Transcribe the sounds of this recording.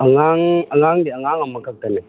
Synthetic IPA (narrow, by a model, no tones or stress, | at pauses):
aŋaŋaŋaŋɡiaŋaŋamakakane